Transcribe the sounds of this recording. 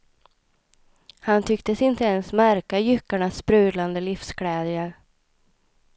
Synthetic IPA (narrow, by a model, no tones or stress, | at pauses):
hant̪ʰʏkt̪əsɪnt̪əɛnsmæɾkajʏkːaɳaspɾʉ̟ːd̪land̪əlɪfskʰlɛːd̪jaɾ